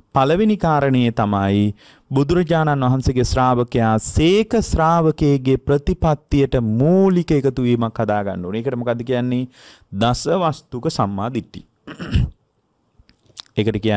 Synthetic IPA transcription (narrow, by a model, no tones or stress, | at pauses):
paləʋinikaːɾənəjet̪amaj | bud̪uɾɐd͡ʒaːnanʋaɦanseɡesɾaːʋəkejaːseːkəsɾaːʋəkeːɡepɾət̪ipat̪ːijəʈəmoːlikəekət̪uʋiːmakhad̪aːɡa̰nːoːneːkəʈəmokad̪ːəkijanːe | d̪asəʋast̪ukəsamːaːd̪iʈ̪ːḭ | ekəʈəkija